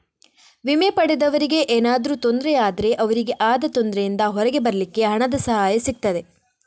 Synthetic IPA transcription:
ʋimepɐɽed̪ɐʋɐɾiɡe̞ʔeːnaːd̪ɾuːt̪o̞nd̪ɾɛaːd̪ɐɾe̞ʔɐʋɐɾiɡe̞ʔaːd̪ɐt̪o̞nd̪ɾejind̪ɐɦɔɾɐɡe̞bɐɾɐlikːe̞ɦɐɳɐd̪ɐsɐɦaːjɐsik̚t̪ɐd̪e̞

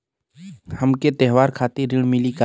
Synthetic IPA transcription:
həmket̪ɛɦʋaːɾkʰaːt̪eɾɪɽ̃mɪlika

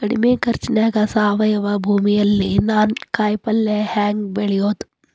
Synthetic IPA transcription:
kɐɽḭmeːkɐɾt͡ʃːinaːɡɐsaːʋɐjɐʋɐbʱuːmijɐlːinaːnkaːjpɐlːehaːŋɡbeɭijoːt̪

